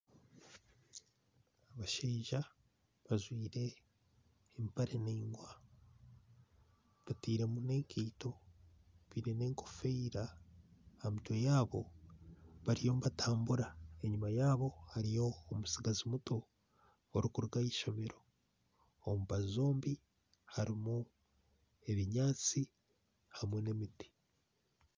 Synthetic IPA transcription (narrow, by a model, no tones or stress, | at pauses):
aβaʃeːʒa | βaʒwiːɾe̞ː | mpaɾeniːŋɡwa | βatiːɾe̞mune̞ːŋkʰiːto̞ | βiɾene̞ːŋkofeiɾa | amitwojaːβo̞ | βaɾijo̞mβataːmbuɾae̞ɲumajaːβo̞haɾijo̞ːmusiɡazimuto | oɾukuɾɡaiːʃo̞βe̞ɾo̞ | omuβazo̞ːmbi | haɾimu | e̞βiɲaːt͡si | hamwe̞ne̞miti̥